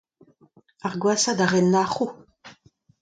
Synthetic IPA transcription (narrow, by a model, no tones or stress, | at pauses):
aʁɡwasad̪aʁɛnːaχu